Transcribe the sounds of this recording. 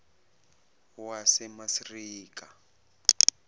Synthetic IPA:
wasɛmasriːka

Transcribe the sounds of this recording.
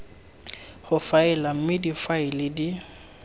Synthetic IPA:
hʊfaɪlam̩mɪdifaɪlɪdi

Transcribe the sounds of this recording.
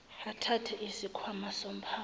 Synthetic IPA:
atʰatʰɛisikʰwamasom̩pʰaː

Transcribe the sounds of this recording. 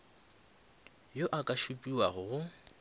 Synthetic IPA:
joʔakʼaʃupʼiwaɣʊɣʊ

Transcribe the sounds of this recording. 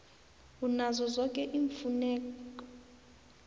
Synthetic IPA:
unazɔzɔkʼɛʔiɱfunɛːkkɔ̥

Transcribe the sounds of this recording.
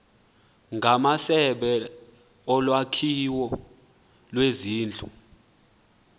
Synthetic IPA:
ŋɡʱamasɛɓɛ | ɔlwakʰiwɔ | lweziːnd͡ɮʱʼu

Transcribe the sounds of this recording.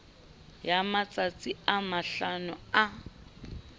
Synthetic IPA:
jamat͡sʼat͡sʼiamaɬanʊa

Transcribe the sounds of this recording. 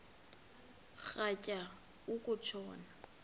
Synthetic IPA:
k͡xacʼa | ʊkʼʊt͡ʃʰɔːna

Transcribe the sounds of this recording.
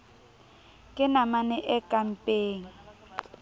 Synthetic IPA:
kʼɪnamanɛʔɛkʼam̩pʼeːŋ̩

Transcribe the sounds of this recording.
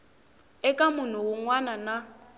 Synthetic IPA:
ɛkʼamʊn̤ʊwʊŋwanana

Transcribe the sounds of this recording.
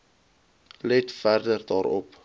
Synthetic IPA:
lɛtfærdərdɑːɾɔ̰p

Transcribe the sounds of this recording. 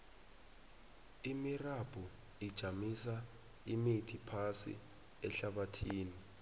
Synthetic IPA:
imirab̥ʱu | id̥ʒ̥ʱamisa | imitʰipʰasḭ | ɛɬaɓatʰiːni

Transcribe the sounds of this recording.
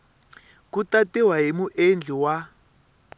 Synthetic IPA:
kutatɛwaɦimuʔend͡ɮʱiwa

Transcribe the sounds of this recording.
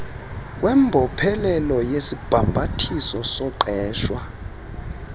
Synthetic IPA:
k̬wʔɛmbʱɔpʰɛlɛlɔjesib̥ʱambʱatʰisɔsɔǃɛːʃwa

